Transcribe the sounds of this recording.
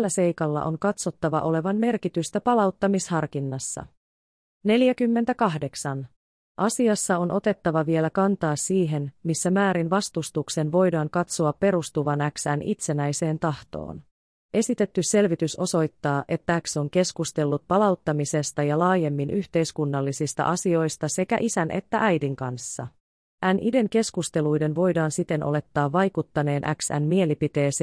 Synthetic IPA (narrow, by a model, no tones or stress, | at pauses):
lːæse̞jkɑlːɑ̰ʔo̞̰ŋkɑt̪so̞t̪ːɑʋɑ̰ʔo̞le̞ʋɑnme̞rkit̪yst̪æpɑlɑwt̪ːɑmishɑrkinːɑsːɑ̰ | ne̞ljækymːe̞nt̪ækɑɦde̞ksɑn | ʔɑsiɑsːɑo̞nʔo̞t̪e̞t̪ːɑʋɑʋie̞lækɑnt̪ɑːsːiːɦe̞nmisːæmæːɾinʋɑst̪ust̪ukse̞nʋo̞jdɑːŋkɑt̪soɑpːe̞ɾust̪uʋɑnæksænʔḭt̪se̞næjse̞ːnt̪ɑht̪o̰ːn | ʔe̞sit̪e̞t̪ːyse̞lʋit̪yso̞so̞jt̪ːɑːʔe̞t̪ːæækso̞ŋke̞skust̪e̞lːut̪̚pɑlɑwt̪ːɑmise̞st̪ɑjɑlɑːje̞mːinʔyçt̪e̞jskunːɑlːisist̪ɑ̰ʔɑsio̞jst̪ɑse̞kæ̰ʔisænʔe̞̰t̪ːæʔæjdiŋkɑnsːɑ | ʔænʔide̞ŋke̞skust̪e̞lujde̞nʋo̞jdɑːnsit̪e̞nʔo̞̰le̞t̪ːɑːʋːɑjkut̪ːɑne̞ːnʔæ̰ksæ̰nmie̞lipit̪e̞ːse